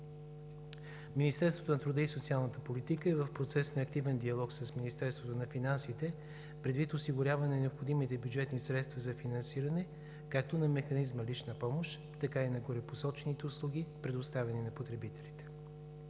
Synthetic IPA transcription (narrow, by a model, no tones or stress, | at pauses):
minist̪ɛɾst̪vo̥t̪onɐt̪ɾud̪əisot̪sialˠnət̪əpolit̪ikəɛvəfpɾot̪sɛsnɐːk̚t̪ivɛnd̪iɐlˠɔksəsminist̪ɛɾst̪vot̪onɐfinansit̪ɛ | pɾɛd̪vit̪osiɡʊɾʲjavɐnɛnɛopxod̪imit̪ɛbjud͡ʒɛt̪nisɾɛt̪st̪vɐzɐfinɐnsiɾɐnɛ | kak̚t̪onɐmɛxɐnizməlit͡ʃnəpɔmoʃt̪ | t̪ːɐkainɐɡoɾɛposɔt͡ʃɛnit̪ɛʊslˠuɡ̟ipɾɛd̪ʊst̪avɛninɐpot̪ɾɛbit̪ɛlit̪ɛ̥